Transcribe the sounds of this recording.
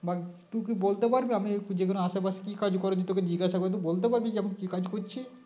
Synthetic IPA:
ba | t̪uk̬ibolt̪epaɾbiamid͡ʒekonoaʃebaʃkikad͡ʒkɔɾod͡ʑet̪oked̪iɡaʃakoɾet̪̬ubolt̪epaɾbikiamikikad͡ʒkoɾt͡ʃʰi

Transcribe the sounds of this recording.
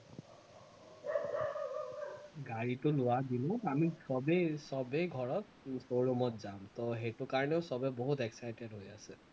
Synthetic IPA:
ɡaɹitʊlʊwadinɔamisɔbesɔbejɡʱɔɹɔt̚ | soɹɔmɔtzamtɔɦejtʊkaɹɔnɛʊsɔbɛboɦutɛksajtedɦojasɛ

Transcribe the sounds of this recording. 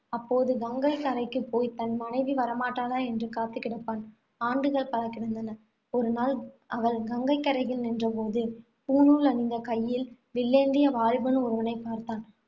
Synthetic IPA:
ɐpːoːðɯɡɐŋɡɐɪkːɐɾɐɪkːɯpːoːjt̪ɐnmɐnɐɪʋɯʋɐɾɐmaːʈːaːlaːɛndrɯkaːt̪ːɯkːɪɽɐpːaːn | aːɳɖɯɣɐɭpɐɾɐkːɪɽɐnd̪ɐnɐ | ɔɾɯnaːl | ʔɐʋɐɭɡɐŋɡɐɪkːɐɾɐɣɪlnɪndrɐpoːðɯ | puːnuːlɐnɪnd̪ɐkɐjːɪl | ʋɪɭːeːɳɖɪjɐʋaːɻbɐnɯʊɾɐʋɐnɐɪpːaːɾt̪aːn

